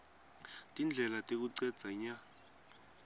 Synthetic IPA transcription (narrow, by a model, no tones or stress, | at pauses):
tʼind͡ɮʱɛlatʼek̬uǀɛd̥d͡z̥ʱaɲa